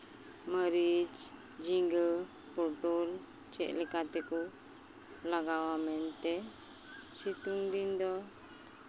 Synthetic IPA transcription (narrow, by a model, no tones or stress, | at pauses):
məɾid͡ʒ | d͡ʒiŋɡə | puʈul | t͡ʃɛ̰ʔlikat̪ɛku | laɡawamɛnt̪ɛ | sit̪uŋbind̪ɔ